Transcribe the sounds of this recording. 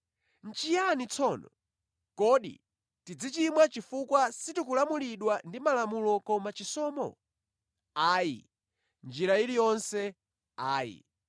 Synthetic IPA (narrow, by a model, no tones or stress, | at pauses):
n̩t͡ʃijanit͡sʰɔnɔ̰ | kɔɗḭ | tid͡zit͡ʃimwat͡ʃifukwasitikulamuliɗwandimalamulɔkɔmat͡ʃisɔːmɔ̰ | aːjḭ | nd͡ʒiɾailijɔnsɛ | aːjḭ